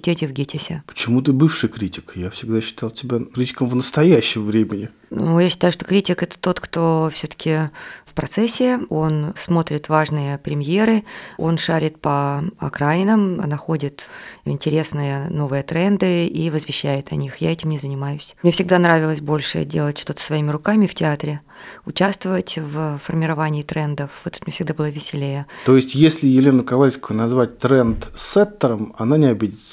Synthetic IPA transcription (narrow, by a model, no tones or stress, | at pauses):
tʲetʲɪvɡʲetʲɪsʲɪpə̥t͡ɕɪmut̪ɨbɨfʂɨjkɾʲitʲɪ̥kjafsʲɪɡd̪aɕːɪ̥t̪ɑlˠtʲɪbʲakɾʲitʲɪ̥kəmvnəst̪ɐjæɕːɪmvɾʲemʲɪnʲɪ | nujaɕːɪ̥t̪ajʊʂt̪okɾʲitʲɪkɛt̪ə̥t̪o̞t̪kt̪o̞fsʲɵt̪ə̥kʲɪfpɾɐt̪sɛsʲːɪo̞nsmo̞t̪ɾʲɪt̪vaʐnɨjəpɾʲɪmʲje̞ɾɨo̞nʂaɾʲɪt̪̚pəɐ̰kɾaɪnəmnɐxo̞dʲɪt̪ɪ̰nʲtʲɪɾʲe̞snɨjəno̞vɨjət̪ɾɛnd̪ɨivəzvʲɪɕːæjɪt̪ɐnʲixjaɛtʲɪmnʲɪzənʲɪmajʊsʲmnʲefsʲɪɡ̚d̪anɾavʲɪlˠəsʲbo̞lʲʂɨ̰dʲelˠətʲʂt̪o̞t̪ə̥svɐimʲɪɾʊkamʲɪftʲɪat̪ɾʲɪ | ʊt͡ɕast̪vəvətʲvfərmʲɪɾɐvanʲɪːt̪ɾɛnd̪əfvt̪u̥t̪mnʲefʲsʲɪɡ̚d̪abɨlˠəvʲɪsʲɪlʲejət̪o̞jɪsʲtʲjesʲlʲɪjɪlʲenʊkɐvalʲskʊjʊnɐzvat̚ʲt̪ɾɛnt̪sɛt̪ːəɾəmɐnanʲɪɐbʲidʲɪt̪sə